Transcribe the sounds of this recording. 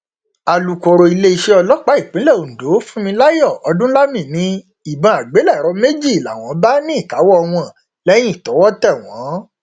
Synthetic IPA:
a˨lu˨˧ko˧ɾo˧i˧le˦i˧ʃe˦ɔ˧lɔ˦k͡pa˨˦i˦˨k͡pĩ˨˦lɛ˦˨o˨do˨˦fũ˦mĩ˧la˦jɔ˦˨ɔ˧dũ˦la˦mĩ˦˨nĩ˨˦ | i˨bã˧a˨ɡ͡be˨˦lɛ˦˨ɾɔ˧˦me˦d͡ʒi˦˨i˨la̰˨w̃ɔ̃˨˦ba˦nĩ˦i˦˨ka˨˦wɔ˦˧w̃ɔ̃˧˨ | lɛ˦j̃ĩ˦˨tɔ˨˦wɔ˦tɛ˦˨w̃ɔ̃˨˦

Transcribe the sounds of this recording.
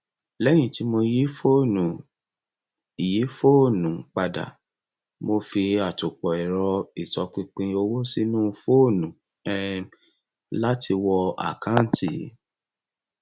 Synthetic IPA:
lɛ˦j̃ĩ˦˨ti˨˦mo˧ji˦fo˦˨nũ˨ | i˨ji˨˦fo˦˨nũ˨k͡pa˧da̰˨ | mo˧fi˧a˨to˨k͡pɔ˨ɛ˨ɾɔ˧i˨tɔ˨˧k͡pĩ˧k͡pĩ˧o˧wo˦si˦nũ˦˧fo˦˨nũ˨ | ɛ˦ | la˦ti˧wɔ˧a̰˦˨kã˦n̩˨ti˨˦

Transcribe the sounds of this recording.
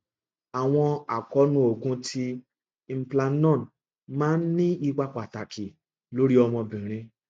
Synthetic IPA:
a˨w̃ɔ̃˧a˨kɔ˨˦nũ˦o˨ɡũ˧tʰi˧ | m̩˦pla˧nɔ̃˦˨n | mãː˦n̩˦nĩ˦i˧ɡ͡ba˧k͡pa˨ta˨ki˨ | lo˨˦ɾi˦ɔ˧mɔ̃˧bĩ˨ɾ̃ĩ˧

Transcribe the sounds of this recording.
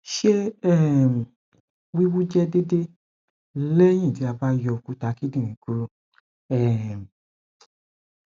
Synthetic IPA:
ʃe˦ɛ˦˨m˨ | wi˦wu˦d͡ʒɛ˦de˦de˦ | lɛ˦j̃ĩ˦˨ti˨˦a˧ba˦jɔ˧ku˨˧˦ta˨˦ki˦dĩ˦˨ɾ̃ĩ˨˦ku˨˦ɾu˦˨ | ɛ˨m˨

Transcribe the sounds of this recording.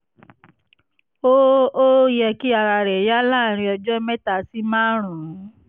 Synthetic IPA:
o˦o˦jɛ˧ki˦a˧ɾa˧ɾɛ˨ja˦la˦˨ɾ̃ĩ˧ɔ˧d͡ʒɔ˦mɛ˦ta˦˨si˦mã˦ɾ̃ũ˨˦

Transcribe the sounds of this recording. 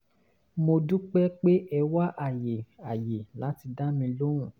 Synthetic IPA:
mo˧du˦k͡pɛ˦k͡pe˦ʔɛ˧wa˦ʔa˦˨je˨a˨je˨la˨˦ti˧da˦mĩ˧lo˦ɾ̃ũ˨

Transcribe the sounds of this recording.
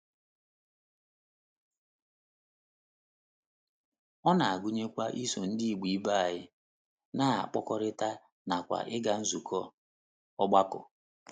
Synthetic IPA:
ɔ˦na˨a˨ɡu˦ɲe˦kʷa˦ʔi˦so˨n̩˦di˦i˨ɡ͡bi˨i˦ba˦a˨ɦɪ˦ | na˦a̰˨k͡pɔ˦kɔ˦ɾɪ˦ta˦ | na˨kʷa̰˨ʔɪ˦ɡa˦n̩˦zu˨kʰɔ˦ | ɔ˦ɡ͡ba˦kʊ̰˨

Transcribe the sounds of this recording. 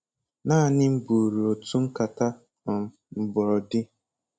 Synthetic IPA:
naː˦˨nɪ˦m̩˦bu˨ɾu˨o˨tu˦ŋ̩˦ka˨ta˦ | ɔ˨m̩˨m̩˨bɔ˨ɾɔ˨dɪ˦

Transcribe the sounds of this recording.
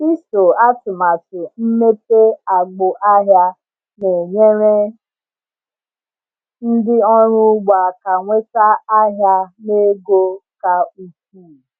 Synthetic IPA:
i˦so˨a˦tʊ˨ma˨tʊ˨m̩˦me˦pe˦a˨ɡ͡bʊ˨ʔa˦ɦja˦ | ne˨ɲe˦ɾe˦ | n̩˦dɪ˦ɔ˦ɾʊ˦ɡ͡ba˨ka˨ŋʷe˦ta˦a˦ɦja˦ne˦ɡo˦ka˨u˨kuː˦˨

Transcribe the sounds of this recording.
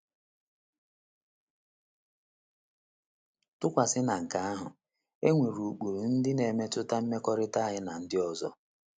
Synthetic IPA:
tʊ˦kʷa˨sɪ˦na˨ŋ̩˨ka˨˦a˦ɦʊ̰˨ | e˦ŋʷe˨ɾu˨k͡pu˨ɾn̩˦dɪ˦ne˨me˦tʊ˦ta˦m̩˦me˦kɔ˦ɾɪ˦ta˦ɦɪ˦na˨n̩˦dɪ˦ɔ˨zɔ̰˦

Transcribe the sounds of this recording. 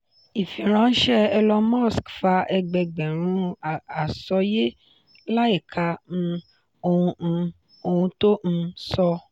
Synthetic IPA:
i˨fĩ˨ɾ̃ã˨˦n̩˦ʃɛ˦ɛ˧lɔ˧mɔ˦˨skfa˧ʔɛ˧ɡ͡bɛ˧ɡ͡bɛ̃˨ɾ̃ũ˨˦˨a˨sɔ˧je˦ | la˦i˦˨kʰa˧n̩˧ | o˧ũ˧ | o˧hũ˧to˦ñ̩˧sɔ˧

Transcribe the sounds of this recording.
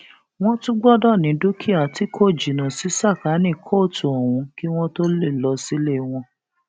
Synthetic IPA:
w̃ɔ̃˦tũ˦ɡ͡bɔ˦dɔ˦˨nĩ˨˦do˦kʰi˦a˨ti˨˦kʰo˦˨d͡ʒi˨nã˨si˨˦sa˦˨ka˨˦nĩ˦˨kʰo˦˨tu˨o˨wũ˧˦ki˦w̃ɔ̃˦to˦le˦˨lɔ˧si˨˦le˦˧w̃ɔ̃˧

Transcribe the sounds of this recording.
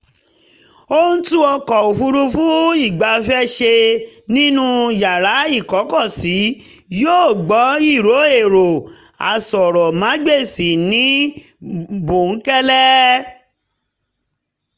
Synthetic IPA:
o˦n̩˦tũ˦ɔ˧kɔ˨o˨fu˧ɾu˧fũ˦i˦˨ɡ͡ba˧fɛ˦ʃe˧nĩ˦nũ˦ja˨ɾa˨˦i˦˨kɔ˨˦kɔ˦˨si˨˦ | joː˦˨ɡ͡bɔ˨˦i˦˨ɾo˨˦e˦˨ɾo˨ | a̰˨sɔ˨ɾɔ˨mã˨˦ɡ͡be˦˨si˨nĩ˨˦ | bũ˨˦kɛ˦lɛ˦

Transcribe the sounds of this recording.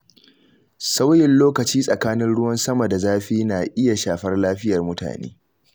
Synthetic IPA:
sa˦wjɪ˨nloː˦kɐ˨t͡ʃiː˦sʼɐ˨kaː˦nɪ˦nɽʊ˦wɐ˦nsɐ˦mɐ˨da˨zaː˦ɸiː˦na˨ʔɪ˦ja˨ʃaː˨ɸɐ˦rlaː˦ɸɪ˦jɐ˨rmʊ˦ta̰ː˨nḛː˦

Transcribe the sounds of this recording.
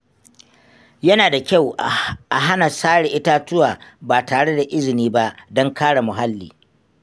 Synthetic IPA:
jɐ˦naː˨da˨kʲa˦˨wʔa˨ɦa˦na˨saː˦ɽɪ˨ʔɪ˦ta˦tʊ˦waː˨baː˨taː˨ɽe˦da˨ʔɪ˦zɪ˨niː˦ba˦ʔdɔ˦ŋkaː˦ɽa˨mʊ˨ɦa˦lːiː˨

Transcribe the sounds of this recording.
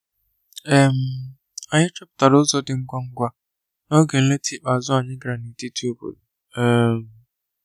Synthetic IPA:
ɛ˦˨m˨ | a˨ɲɪ˦t͡ʃɔ˦b̚ta˨ɾʊ˦zɔ˦dɪ˨ŋ̩˦ɡʷa˦ŋ̩˦ɡʷa˦ | nɔ˦ɡe˨n̩˦le˦tʰi˦˨k͡pa˨zʊ˦a˨ɲɪ˦ɡɾa˨ni˨te˦tʰu˦o˦bo̰˨ | ɛ˨m̩

